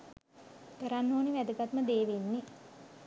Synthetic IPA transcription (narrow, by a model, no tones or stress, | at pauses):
t̪əɾanːoːniʋæd̪əɡat̪məd̪eːʋenːi